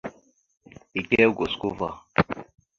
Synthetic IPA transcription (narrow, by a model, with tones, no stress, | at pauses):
i˨kɛ˦ɡo˨sku˦va˦˨